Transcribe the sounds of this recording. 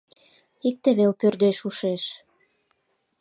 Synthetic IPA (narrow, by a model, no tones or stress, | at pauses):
ik̚t̪eβelpørd̪eʃuʃeʃ